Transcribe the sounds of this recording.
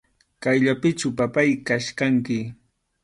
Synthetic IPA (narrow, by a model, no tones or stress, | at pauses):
kajʎapɪt͡ʃʊpapajkaʃkaŋkɪ